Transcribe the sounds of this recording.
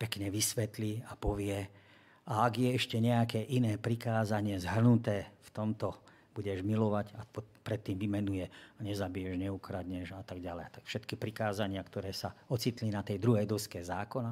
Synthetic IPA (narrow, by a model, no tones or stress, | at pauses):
pɛkɲɛʋisʋɛt̪liapɔʋɪɛ | aaɡjɛɛʃcɛɲɛakɛːʔinɛːpɾikaːzaɲɪɛzɦr̩nut̪ɛːft̪ɔmt̪ɔ | buɟɛʒmilɔʋaɟapɔpɾɛt̪ːiːmʋimɛnujɛaɲɛzabijɛʒɲɛukɾad̪ɲɛʒat̪aɡɟalɛjat̪akfʃɛt̪kipɾikaːzaɲɪakt̪ɔɾɛːsaɔt͡sit̪linat̪ɛjd̪ɾuɦɛjd̪ɔskɛzaːkɔna